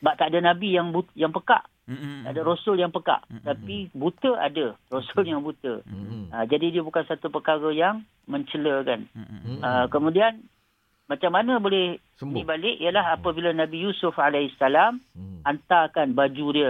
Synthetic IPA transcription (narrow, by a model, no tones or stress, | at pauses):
baʔt̪aʔdanabijaŋbujaŋpəka̰ʔ | t̪a̰ʔadəɾosʊljaŋpəka̰ʔt̪apibut̪əʔa̰dərosʊljaŋbut̪ə̰əd͡ʒadidiəbukansat̪upəkaɣəjaŋ | məɲt͡ʃələkanəkəmũdian | mat͡ʃamːanə̃bolɪh | nĩbalɪʔijəlaɦapəbilənabijusʊfalaisalamant̪akanbad͡ʒudiə